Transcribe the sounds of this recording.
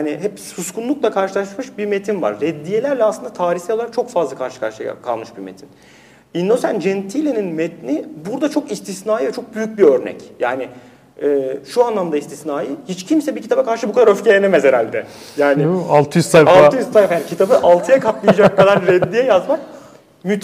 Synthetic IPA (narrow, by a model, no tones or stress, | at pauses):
janɪɦɛpsuskʰunlˠuklˠakʰaɾʃɯlˠaʃmɯʃbiɾmet̪ʰinva̰ɾːɛd̪ːijelʲæɾlʲɛasɯnd̪at̪ʰaːɾiçsɛjolˠaɾak̚t͡ʃʰo̞kfazlˠakʰaɾʃɯ̥kʰaɾʃɯa̰kʰa̰lˠmɯʃbiɾmḛt̪ʰin | ind̪osænd͡ʒɛnt̪ʰilʲeninmɛt̪̚nibuɾd̪at͡ʃʰo̞kist̪ʰisnaːjɯvɛt͡ʃʰo̞k̚byjyc̚biøɾnɛ̰cjaːnɪ | ɛːʃuanlˠamd̪aist̪ʰisnaːjɯhit͡ʃcʰimsɛbicʰi̥t̪ʰabakaɾʃɯbukʰad̪aɾø̞fcʰejenemɛzeɾalʲd̪ɛjaːnɪalˠt̪ʰɯjysajallˠɯjyst̪ajfajaːncʰit̪ʰabɯʔalˠt̪ʰɯjakʰaplˠɯjad͡ʒak̚kʰːad̪aɾɾɛd̪ːijɛjazmak | myt̪